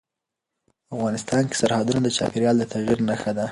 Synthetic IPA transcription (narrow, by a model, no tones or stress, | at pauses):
afɣɑnɪst̪ɑnke̥saɾhɑd̪unad̪ət͡ʃɑ̰peɾjɑld̪ət̪ʰaɣiɾnaxad̪a